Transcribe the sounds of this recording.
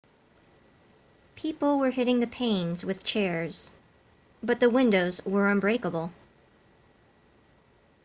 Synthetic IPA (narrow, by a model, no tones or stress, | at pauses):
pʰipl̩ˠwə˞ɦɪɾɪ̃ŋðɨpʰẽɪ̃nzwɨð̥t͡ʃʰɛɹz̥ | bʌt̪̚ðəwɪ̃ndoʊzwə˞ʌ̃mbɹeɪkəbl̩ˠ